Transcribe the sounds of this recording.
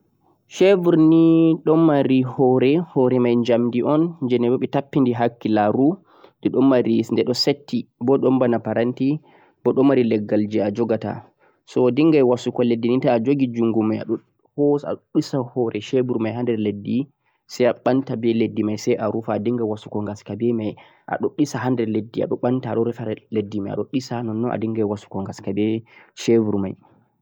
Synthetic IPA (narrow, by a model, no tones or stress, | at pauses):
ʃevuɾniɗɔmaɾihɔɾɛhɔɾɛmajɲd͡ʒamdiʔɔnd͡ʒɛnɛbɔɓɛtapːindiɦakːilaɾu | dɛɗɔmːaɾisndɛɗɔsetːibɔɗɔmbanapaɾanti | bɔɗɔmaɾilɛɡːald͡ʒɛad͡ʒɔɡata̰ | sɔdiŋɡajwasukɔledːinitaːd͡ʒoɡid͡ʒuŋɡumaja̰ɗɔ | hɔa̰ɗɗisahɔɾʔɛʃebuɾmajɦandɛɾledːi | sɛjaɓantabɛledːimajsɛjʔaɾufaːdiŋɡawasukɔŋɡaskabɛmaj | ʔa̰ɗoɗːisaɦandɛɾledːia̰ɗɔɓantaːɗɔɾɛfaɾɛledːimaja̰ɗoɗːisanɔnːɔʔa̰diŋɡajwasu̥kɔŋɡaskabɛʃevuɾma̰j